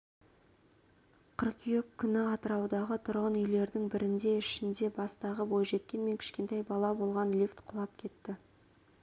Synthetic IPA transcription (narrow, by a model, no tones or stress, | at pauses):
qʰəɾqijokʲʰːʏnɪɑt̪əɾɑwd̪ɑʁət̪ʰʊɾʁənʏjle̞ɾd̪ɪŋbɪɾɪnd̪e̞ɪʃɪnd̪e̞bɑst̪ɑʁəbo̞jʒe̞t̪kʲe̞nme̞ŋkʲʰɪ̥ʃkʲe̞nt̪ɑjbɑlˠɑbo̞lˠʁɑnlʲift̪qʰʊlˠɑp̚kʲʰe̞t̪ːɪ